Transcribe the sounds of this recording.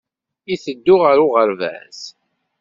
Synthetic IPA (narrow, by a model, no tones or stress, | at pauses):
iθəd̪ːʊʁəɾʊʁəɾvæ̰s